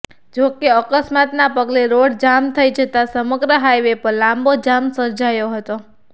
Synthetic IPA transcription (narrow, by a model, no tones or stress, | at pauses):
d͡ʒokeəkəsmat̪napəɡleɾoɽd͡ʒamt̪ʰəid͡ʒʱət̪asəməɡɾəɦajʋepəɾlãmbod͡ʒamsəɾd͡ʒajoɦət̪o